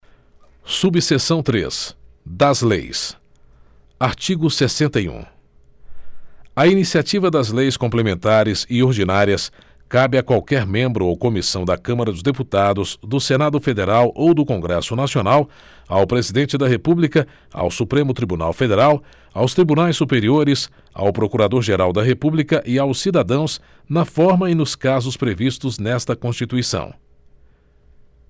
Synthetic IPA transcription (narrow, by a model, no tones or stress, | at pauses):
subisesɐ̃w̃t̪ɾḛs | d̪ɐzlḛjs | aɾt͡ʃiɡʊsesẽnt̪ɐiṵ̃ | ɐinisiat͡ʃivɐd̪ɐzlejskõplemẽnt̪aɾɪzɪoɾd͡ʒinaɾiɐs | kabɪɐkwawkɛɾmẽmbɾʊowkomisɐ̃w̃d̪ɐkɐ̃mɐɾɐd̪ʊzd̪eput̪ad̪ʊz̥d̪ʊsenad̪ʊfed̪eɾawʔowd̪ʊkõŋɡɾɛsʊnasionaw | awpɾezid̪ẽnt͡ʃɪd̪ɐɦepublikɐ | a̰wsupɾẽmʊt̪ɾibuna̰wfed̪eɾaw | awst̪ɾibunajsːupeɾioɾɪs | a̰wpɾokuɾad̪oɾʒeɾawd̪ɐɦepublikɐʔɪawsːid̪ad̪ɐ̃w̃s | nɐfɔɾmɐinʊskazʊspɾevist̪ʊznɛst̪ɐkõst͡ʃit̪uisɐ̰̃w̃